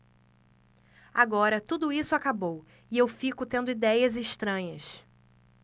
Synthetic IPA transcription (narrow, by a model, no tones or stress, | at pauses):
aɡɔɾɐt̪ud̪ʊisʊakabow | ɪewfikʊt̪ẽnd̪ʊid̪ɛjɐzɪʃt̪ɾɐ̃ɲɐs